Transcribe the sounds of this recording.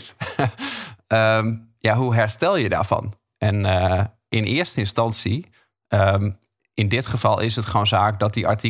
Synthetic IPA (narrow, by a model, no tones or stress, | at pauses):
əmjaɦuɦɛrstɛlˠjəda̰ːfɑ̰n | ʔɛnə | ʔɪnɪəstəɪnstɑnsi | ʔəm | ɪndɪtχəfɑlˠʔɪ̰sətχownzaːk̚dɔt̚dia̰ɹti